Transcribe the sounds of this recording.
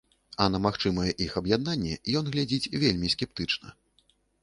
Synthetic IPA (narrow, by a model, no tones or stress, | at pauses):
ɐnɐmaxt͡ʂɨmɐjɛʔixɐbjad̪̚nanʲːɛjɔnɣlʲad͡zʲit͡sʲvʲelʲmʲiskʲɛp̚t̪ɨt͡ʂnɐ̰